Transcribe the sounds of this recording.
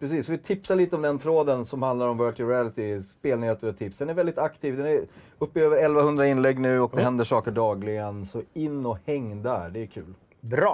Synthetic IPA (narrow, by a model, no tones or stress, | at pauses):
pɾɛsiːsːɔvɪt̪ʰɪpsaliːt̪əɔmd̪ɛnt̪ʰɾoːd̪ənsɔmhand̪laɾɔmvœʈɪɾɪælɪt̪ɪspeːlnɪheːt̪əɾɔt̪ʰɪpsd̪ɛnæɾvɛld̪ɪt̪akt̪ʰiːvd̪ɛnæɾ | ɵpːɪøːvəɾɛlvahɵnd̪ɾaɪnlɛɡːnʉ̟ːɔk̚d̪ɛɦɛnd̪əʂɑːkəɖɑːɡlɪɡənsɔɪnːɔhɛŋːd̪æɖɛkʰʉ̟ːl | bɾ